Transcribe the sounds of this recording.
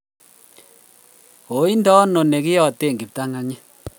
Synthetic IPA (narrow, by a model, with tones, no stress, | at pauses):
o˨˦i˦ndɔ˦no˨ne˨ki˦jɔ˨te˦˨ŋɡi˨p̚ta˦ŋa˨ɲɪ˦